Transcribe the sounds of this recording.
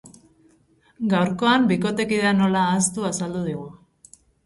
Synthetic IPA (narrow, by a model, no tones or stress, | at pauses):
ɡawɾko̞ambiko̞t̪e̞kiðano̞laːst̪uasald̪uð̞iɣ̞u